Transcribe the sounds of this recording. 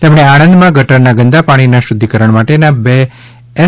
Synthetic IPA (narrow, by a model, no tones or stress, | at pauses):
t̪emɳ̃eaɽ̃ənd̪mãɡʱəʈəɳnaɡənd̪apaɽ̃inaʃʊd̪ʱːikəɾəɳ̃maʈenabeː